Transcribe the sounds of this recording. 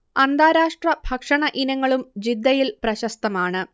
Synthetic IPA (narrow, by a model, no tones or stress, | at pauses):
ɐnd̪aːɾaːʂʈrɐbʱɐkʂɐɳɐʔinɐŋːɐɭumd͡ʑid̪ːɐjilprɐɕɐst̪ɐmaːɳɨ